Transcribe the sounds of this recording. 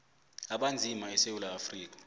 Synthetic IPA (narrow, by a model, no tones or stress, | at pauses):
aɓand͡zʱimaɛsewulaːfriːk̬ḁ